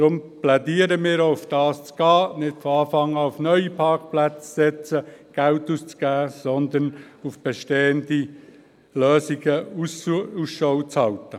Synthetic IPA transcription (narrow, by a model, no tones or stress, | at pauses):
d̥̪ɾʊmplɛdiːəɾəmɪːɾoʊfd̥ɑːst͡sɡ̥ɑːnɪtfoɑːfɑŋəaʊfnœʏipʰɑɾkplæt͡ssɛt͡səɡ̥ælt̪uːst͡sɡ̥æːsɔnd̪ən | ufb̥eʃteːəndi | løːsiɡ̥əususʃoʊt͡shɑltə